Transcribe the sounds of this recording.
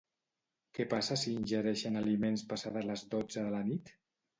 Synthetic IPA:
kɛpasəsiːnʲʒəɾɛʃənalimenspasaðələzdod͡zəðəlanit̪

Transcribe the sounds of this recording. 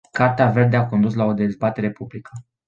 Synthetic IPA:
kart̪eave̞rd̪eako̞nd̪uslao̞d̪e̞zbat̪e̞ɾe̞publikʰə

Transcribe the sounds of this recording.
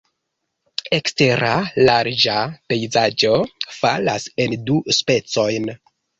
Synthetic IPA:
e̞kste̞ɾalaɾd͡ʒape̞jzad͡ʒo̞fa̰lase̞nduspe̞t͡so̞jn

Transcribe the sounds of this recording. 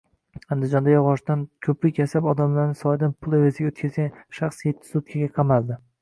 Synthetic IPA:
and̪ɪd͡ʒɒnd̪ajɒʁɒʃt̪ankʲʰɵplɪkʲʰasabɒd̪amlaɾnɪsɒjd̪anpʰʊlˠevazɪɡʲaot̪kʲʰazɡʲanʃɑχsjet̪ʰːɪ̥sʊt̪kʲʰaɡʲaqʰɑmalˠd̪ɪ

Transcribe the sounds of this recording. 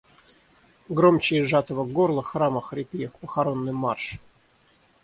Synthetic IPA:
ɡɾomʲt͡ɕɪjʐat̪əvəɡorlˠəxraməxrʲɪpʲijəpəxaɾonːɨjmarʂ

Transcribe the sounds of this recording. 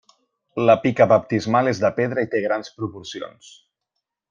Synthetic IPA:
ləpikəβəp̚t̪izmalezðəpeð̞ɾəit̪eɣ̞ɾanspɾupuɾsio̰ns

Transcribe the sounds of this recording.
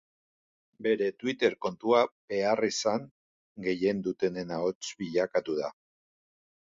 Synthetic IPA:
be̞ɾe̞t̪wit̪e̞ɾko̞nt̪uab̥e̞arisaŋ | ɡe̞je̞nd̪ut̪e̞ne̞naot͡sbiʎakat̪uða

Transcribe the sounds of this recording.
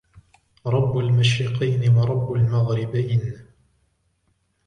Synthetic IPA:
ɾˤɑbːalmaʃɾɪqɑjnɪwɑɾˤɑbːalmaɣɾɪbajn

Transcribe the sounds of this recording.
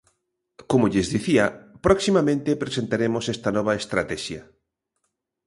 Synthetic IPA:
komoʎezðiθiɐpɾɔksimamẽnt̪epɾesent̪aɾemosest̪anɔβ̞aest̪ɾat̪ɛʃjɐ

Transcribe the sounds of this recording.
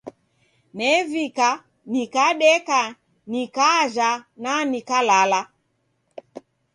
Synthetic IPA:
nɛvika | nikaɗɛka | nikaʒananikalala

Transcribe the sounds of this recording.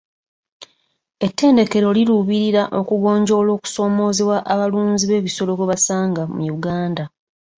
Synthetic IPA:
e̞tːe̞ːnde̞ke̞ɾo̞liɾuβiɾiɾaʔo̞kuɡo̞ːɲɟo̞ːlo̞ːku̥so̞ːmo̞ːzewaʔaβaluːnziβe̞ːβiso̞lo̞keβasaːŋɡamṵjuɡaːnda

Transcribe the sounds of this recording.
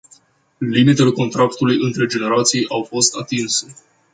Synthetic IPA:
limit̪e̞le̞ko̞nt̪ɾakt̪ulujɨnt̪ɾe̞d͡ʒe̞ne̞ɾat̪sijʔawfo̞st̪at̪inse̞

